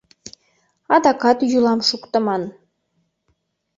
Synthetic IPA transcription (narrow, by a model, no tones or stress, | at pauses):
ɑd̪ɑkɑt̪julˠɑmʃukt̪ɤ̆mɑn